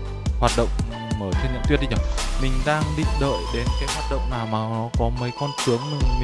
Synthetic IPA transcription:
hwaː˨˩t̚ɗə̰˧˨wŋ͡m | məː˧˩t̪ʰe˧nːə̰˧˨t̪i˧˥əɗi˧˩ɲɔ˧˩mï˨˩ŋ̟ɗaː˧ŋɗḭ˧ɗə̰ː˧˨jɗe˨˦nkaː˨˦jhwaː˨˩t̚ɗə̰˧˨wŋ͡mnaː˨˩wmaː˨˩nɔ˨˦kɔ˨˦mə˨˦jkɔ˧nt͡ɕɨ˨˦əŋmï˨˩ŋ

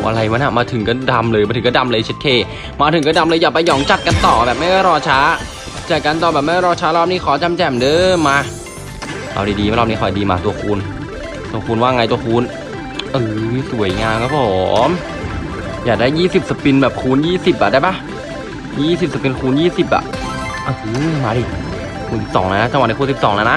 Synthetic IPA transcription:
ʔa̰˧ɾa˧jwaː˧˦˥na˨˩maː˧t̪ʰɯ˨˩˦ŋka˧˥˩da˧mlɤː˧ja˧t̪ʰɯ˨˩˦kːda˧mlɤː˧t͡ɕʰe˦˥t̪̚ʰeː˧˩ | maː˧t̪ʰɯ˨˩˦ŋkaː˥˩da˧mlɤː˧jaː˨˩k̚pa˧jːɔː˨˩˦ŋt͡ɕa˨˩t̪̚ka˧nt̪ɔː˨˩bɛː˨˩p̚ma˥˩jkɔː˥˩ɾɔː˧t͡ɕʰaː˦˥ | t͡ɕa˨˩ka˧nt̪ɔː˨˩bɛː˨˩ma˥˩kɔ˥˩ɾɔː˧˥t͡ɕʰaː˦˥lɔː˥˩p̚niː˦˥kʰɔː˨˦t͡ɕa˧mt͡ɕɛː˨˩mdɤː˧mːaː˧ | ʔa̰˧wdiː˧˩diː˧mː˧˥˩ɾɔː˥p̚niː˦˥kʰɔ˨˩jdiː˧ma̰ː˧t̪u˧ɐkʰuː˧n | t̪u˧əkuː˧nwaː˥˩˨ŋa˧jt̪u˧ɐkʰuː˧n | ʔɯː˧˩su˨˩˦jŋaː˧mkʰaː˧˥˩pʰɔː˩˦m | jaː˨˩k̚daː˥˩jːiː˥˩si˨˩p̚sa˧pi˧nbɛː˨˩p̚kʰuː˧˥njiː˥˩si˨˩p̚ʔa˨˩daː˧˩ba˦˥˩ | jiː˥˩si˨˩p̚sa˧pi˧nkʰuː˧njiː˥˩si˨˩p̚ʔa̰˨˩ʔ | ʔa˧˩ɯː˧˩maː˧di˧˩ | kʰuː˧nsi˨˩p̚sɔː˩˦laː˧˦˧na˧˥t͡ɕa˧ŋwni˧˩kuː˧nsi˨˩psɔː˩˦ŋlaː˧˦˥na˦˧˥ʔ

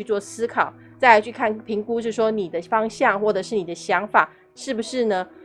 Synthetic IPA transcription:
y˥˧t͡swɔ˥˩sɹ̩˥kʰɑ˨˩˦ʊ | t͡sa˥˧ɪa˧˥t͡ɕʰy˥˧kʰa˥˩npʰi˧˥ŋku˥˦ʂ̬ɻ̩˥˩ʂ̬wɔ˥ni˨˩d̪ə˦fɑ˥ŋɕjɑ˥˩ŋxwɔ˥˩ʈ͡ʂɤ˨˩ʂɻ̩˥˩ni˨˩d̪ə˦ɕjɑ˧˥ŋfa˨˩˦ | ʂɻ̩˥˩bu˩ʂɻ̩˥˩nə˩

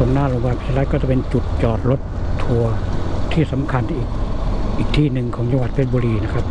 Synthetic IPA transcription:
o˧˦nnaː˥˩lo˧ŋwaː˧˩pʰi̥˦˩a˧la˦˥kɔː˥˩t͡ɕa˨˩pe˧nt͡ɕu˨˩t̪̚t͡ɕɔː˨˩t̪̚lo˦˥t̪ʰː | u˧ɐt̪ʰiː˥˩sa˩˦mkʰa˧nʔiː˨˩k̚ʔiː˨˩k̚t̪ʰiː˥˩nɯ˨˩ŋkʰɔː˩˦ŋt͡ɕa˧ŋwa˨˩t̪̚pʰe˦˥˩t̪̚buː˧ɾiː˧na˦˥kʰɾa˦˥p̚

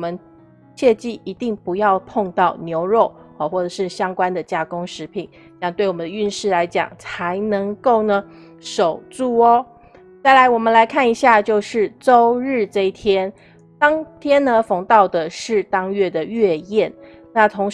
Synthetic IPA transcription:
ɔ˨˩mə˦n | ɕʰjɛ˥˧t͡ɕi˥˩i˧˥t̪i˥˩ŋpu˧˥jɑ˥˧ʊpʰo˥˧ŋt̪ɑ˥˩ʊnjo˧˥ʊɻo˥˩ʊ˩xwɔ˥˩ʈ͡ʂɤ˨˩ʂɻ̩˥˩ɕjɑ˥ŋkwa˥nd̪ə˨t͡ɕja˥˩kʊ˥ŋʂɻ̩˧˥pʰi˨˩˦n˧˥jɑ˥˧ŋt̪we˥˩ɪwɔ˨˩mə˦d̪ə˧y˥˧nʂɻ̩˥˩la˧˥ɪt͡ɕjɑ̰˨˩ŋt͡sʰa˧˥ɪnə˧˥ŋko˥˩ʊnə˩ | ʂo˨˩ʊt͡su˥˩ɔ˦ | t͡sa˥˩ɪla˧˥ɪwɔ˨˩mə˦nla˧˥ɪkʰa˥˩ni˧˥ɕja˥˧t͡ɕjo˥˧ʊʂɻ̩˥˩ʈ͡ʂo˥ʊɻɻ̩˥˩ʈ͡ʂɤ˥˧i˥t̪ʰjɛ˥n | t̪ɑ˥ŋt̪ʰjɛ˥nnə˨fɑ˧˥ŋt̪ɑ˥˩ʊd̪ə˩ʂɻ̩˥˩t̪ɑ˥ŋɥɛ˥˩d̪ə˩ɥɛ˥˧jɛ˥˩n | na˥˨t̪ʰo˧˥ŋ

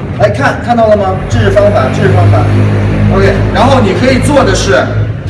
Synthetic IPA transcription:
ɪkʰa˥˧nkʰa˥˧nt̪ɑ˥˩ʊlə˩mɐ˩ʈ͡ʂ̩˥˩˥fɑ˥ŋfa˨˩˦ʈ͡ʂ̩˥˩˧fɑ˥ŋfa̰˨˩˦o˧ʊkʰe˥˩ɪɻa˧˥nxo˥˩ʊni˨˩kʰɤ˧˥i˨˩t͡swɔ˥˩d̪ə˩ʂɻ̩˥˩

